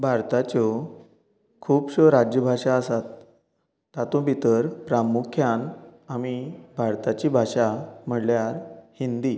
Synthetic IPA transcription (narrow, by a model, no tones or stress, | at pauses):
bʱaɾt̪at͡ɕɔ | kʰuːpɕɔɾad͡ʑjəbʱaʂaəsat̪ː | at̪õbʱit̪əɾpɾamukʰjanamibʱaɾt̪at͡ɕibʱaʂam̤əɽljaɾhind̪i